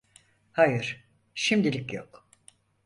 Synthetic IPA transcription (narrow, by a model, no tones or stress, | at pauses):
hajɯɾ̥ | ʃimd̪ilʲicjok